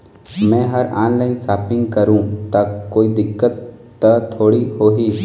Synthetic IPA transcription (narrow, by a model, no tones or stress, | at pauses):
mɛ̃ːɦɐɾaːnlaːɪnsaːpɪ̃ŋɡkɐɾũːt̪ɐkːoːid̪ɪkːət̪ː | ɐt̪ʰoːɽihoːɦiː